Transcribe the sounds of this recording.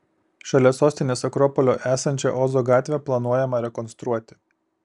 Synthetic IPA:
ʃɐlʲɛsoːsʲt̪ʲɪnʲeːsɐkɾɔːpɔlʲoːʔæːsɐnʲt͡ʃʲɛ̰ʔɔːzoːɡɑːt̪ʲʋʲɛplˠɐnuɔjɛmɐɾʲɛkɔnst̪ɾuɔt̪ʲɪ̥

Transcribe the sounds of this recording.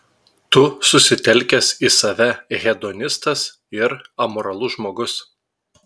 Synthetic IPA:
t̪ʊsʊsʲɪt̪ʲɛlʲˑkʲɛsisɐʋʲɛɣʲɛd̪ɔːnʲɪst̪ɐs | ɪɾɐmɔːɾɐlˠʊʒmoːɡʊs

